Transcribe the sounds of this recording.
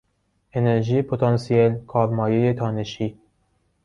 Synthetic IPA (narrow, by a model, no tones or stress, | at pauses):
eneɾʒipʰot̪ʰɑnsijelkʰɑːɾmɑːjejet̪ʰɑːneʃiː